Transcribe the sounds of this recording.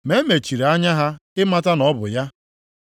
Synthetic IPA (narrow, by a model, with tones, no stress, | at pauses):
me˦me˨t͡ʃi˨ɾa˦ɲa˦ɦa˦ɪ˦ma˦ta˦nɔ˦bʊ̰˨ja˦